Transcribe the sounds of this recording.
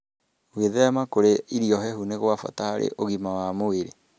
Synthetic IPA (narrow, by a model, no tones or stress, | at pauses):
ɣweðɛamakoɾeiɾiɔɦɛhuneɣoafa̰tahaɾḛʔoɣimawamoeɾe